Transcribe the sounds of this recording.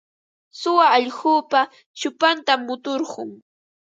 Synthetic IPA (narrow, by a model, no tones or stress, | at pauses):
sʊwaːʎɢuːpa | t͡ʃʊpant̪amːʊt̪oɾɢʊŋ